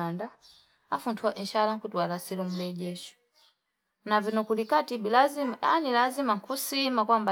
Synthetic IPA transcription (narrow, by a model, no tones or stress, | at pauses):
anda | afuntʰuwaʔiʃalaŋkutwalasilɔm̩lɛɟɛʃɔ̥ | navinɔkulikatibilazimanilazimaŋ̩kusimakwamba